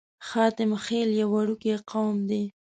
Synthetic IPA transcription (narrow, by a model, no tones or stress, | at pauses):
xɑt̪ɪmxeljawaɽukeqawmd̪e